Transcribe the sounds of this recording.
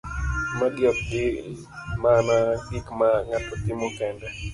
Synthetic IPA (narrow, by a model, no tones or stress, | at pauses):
madjɔp̚ɡɪ | manaɡikmaŋatɔt̪ɪmɔkɛndɛ